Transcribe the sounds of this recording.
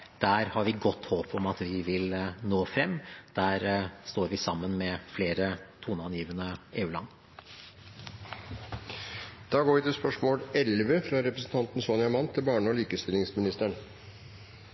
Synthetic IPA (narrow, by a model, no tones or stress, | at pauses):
d̪̥æːɾhɑɾʋɪɡɔt̪ːhoːpʰɔmɑt̪ʋɪʋɪlnoːfɾɛmːd̪̥æːɾst̪oːɾʋɪsɑmːənmɛfleːɾət̪ʰuːnɑnjiːʋənəʔeːʉːlɑ̰nː | d̪̥ɑːɡoːʋɪt̪ʰɪlspœʂmoːlɛlʋəfɾɑɾɛpɾəsn̩t̪ɑnt̪n̩sonɪɑmɑnt̪ʰɪlbɑːɳəɔliːkəst̪ɪlɪŋsmɪnɪst̪æɳ